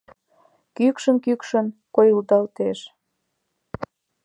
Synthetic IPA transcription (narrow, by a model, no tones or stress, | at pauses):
kykʃənkykʃənkojuld̪ɑlt̪eʃ